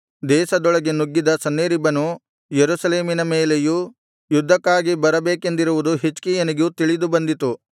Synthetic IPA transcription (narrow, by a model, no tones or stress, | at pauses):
d̪ɛːʃɐd̪ɔɭɐɡe̞nuɡːid̪ɐsɐnːeːɾibɐnu | jeɾusɐle̞ːminɐmeːleju | jud̪ʱːɐkːaːɡibɐɾɐbeːke̞nd̪iɾuʋud̪uɦit͡ʃkijɐniɡut̪iɭid̪ubɐnd̪it̪u